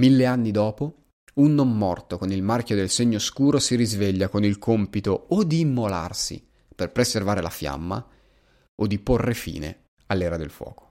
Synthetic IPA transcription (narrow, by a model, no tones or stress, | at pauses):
milːeanːid̪ɔːpo | unːomːɔrt̪okonilmarkjod̪elseɲːoskuːɾosiɾizveʎːakonilkʰompit̪ood̪iːmːola̰rsḭ | perpɾeservaːɾela̰fja̰mːa̰ | od̪ːiporːefḭːnḛ | alːɛːɾad̪elfwɔ̰ːko̥